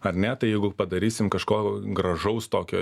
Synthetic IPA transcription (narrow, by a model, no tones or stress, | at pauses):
ɐrnʲɛt̪ɐɪjɛɪɡʊpɐd̪ɐɾʲiːsʲɪmkɐʃkoːɡɾɐʒɐʊst̪oːkʲo̰ː